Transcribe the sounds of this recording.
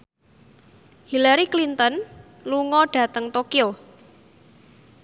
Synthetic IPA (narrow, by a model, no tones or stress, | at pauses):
hilaɾiklint̪ən | luŋɔɖ̥ä̤t̪əŋt̪okio